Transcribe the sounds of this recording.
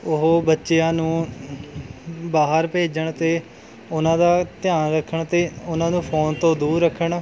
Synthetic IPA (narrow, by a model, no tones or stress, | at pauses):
ʊɦoːbətːʃeːãːnũː | baːɦəɾpeːd͡ʒəɳt̪eː | ʊnãːd̪aːt̪ɪjaːnɾəkʰːəɳt̪eːʊnãːnũːpʰoːnt̪õːd̪uːɾːəkʰːəɳ